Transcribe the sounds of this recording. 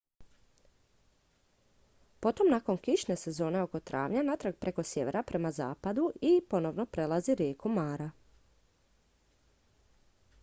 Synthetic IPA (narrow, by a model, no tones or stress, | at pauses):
po̞t̪o̞mnako̞nkiʃne̞se̞zo̞ːne̞o̞ko̞t̪ɾʔa̰ːʋɲanat̪ɾaɡ̚pɾʔe̞ko̞sjeʋeɾapɾʔe̞maza̰ːpad̪uipo̞no̞ʋno̞pɾe̞lˠaziɾjeːkumaːɾa